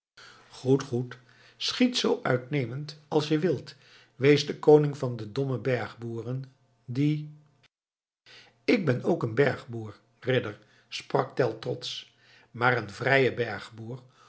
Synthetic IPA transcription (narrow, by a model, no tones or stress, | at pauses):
χutχut | sχitsowʔœ̰ɥtnejməntɑlˠsjəʋɪlˠt | ʋejzdəkownɪŋvɑndədɔməbɛɹχbuːrən | di | ɪɡ̚bɛnowkənbɛɹχbuːɹ | rɪdəɹ | sprɑk̚tɛlˠtrɔts | maːrənvrɛjəbɛɹχbuːɹ